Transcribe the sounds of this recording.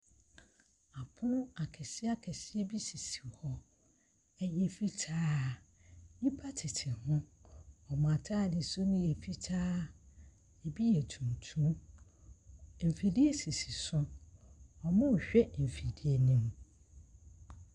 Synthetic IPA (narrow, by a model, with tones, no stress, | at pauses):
a˨pʰʊ̃˦a˨kʰɛ˨sɪ˦a˦kʰɛ˨sɪ˦e˦bi˦si˨si̥˨hɔ˦ | ɛ˦jɛ˨fi˦tʰaː˦ | ɲĩ˦pʰa˦tʰɪ˨tʰɪ˨hʊ̃˦ɔ˨mã˨tʰa˦˨dɪ˨sʊ˦nʊ̃˦je˨fi˦tʰaː˦ | e˨bi˦jɛ˨tʰũ˨n˨tʰũ˦ | m̩˨fe˨di˦e˦si˨si˨sʊ̃˦ | ɔ˨mã˦˨ɕᶣɛ˦m̩˨fe˨di˦e˦nĩ˦m